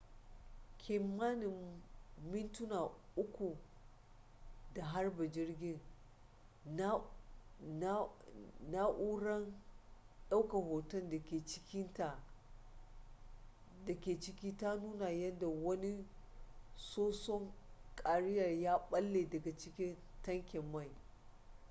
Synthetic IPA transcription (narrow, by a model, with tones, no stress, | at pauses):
kʲʰɪ˨mːa˦nɪ˨ | mɪ˦ntʊ˦na˨ʔʊ˦kʷu˨ | da˨ɦa˦rba˨d͡ʒɪ˦rɡʲɪ˦n˦ | na˦ʔu˦ɾɐ˦n | ɗa˦wka˨ɦoː˨tɐ˦nda˨kʲeː˨t͡ʃɪ̥˦kʲɪ˦nta˨ | da˨kʲeː˨t͡ʃɪ˦kʲiː˦ta˦nuː˦na˨jɐ˦nda˨wɐ˦ni˦ | soː˦sɔ˦ŋkʼa˨ɽɪ˦jɐ˨rjaː˦ɓɐ˦lːeː˨dɐ˨ɡa˨t͡ʃɪ˦kʲɪ˦n | tɐ˦ŋkʲɛ˨mːa˦˨j